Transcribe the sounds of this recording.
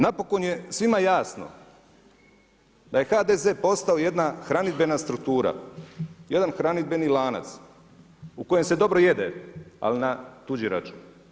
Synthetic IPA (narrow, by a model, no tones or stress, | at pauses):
napo̞konje̞sʋimajaːsno̞̰ | d̪aje̞xaːd̪ezeːpo̞st̪aoje̞d̪naxɾanid̪be̞nast̪ɾukt̪uːɾa̰ | je̞d̪anxɾanid̪̚be̞nilaːna̰t̪s | uko̞je̞mse̞d̪o̞bɾo̞je̞d̪ea̰linat̪ud͡ʑiɾa̰t͡ʃum